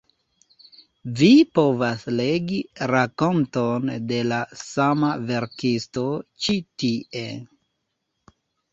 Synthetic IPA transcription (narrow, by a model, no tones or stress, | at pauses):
vipo̞vasle̞ɡiɾako̞ntonde̞lasamave̞ɾkisto̞t͡ʃitiʔe̞